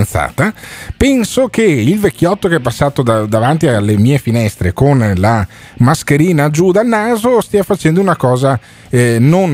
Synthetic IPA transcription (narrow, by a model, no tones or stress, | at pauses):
nt̪sa̰ːt̪apɛnsokeilvekʰʲːjɔt̪ːokeɛpasːaːt̪od̪ad̪avant̪ialːemiːefinɛst̪ɾekonla | maskeɾiːnad͡ʒud̪alnaːzost̪iːafat͡ʃɛnd̪ounakɔːza | non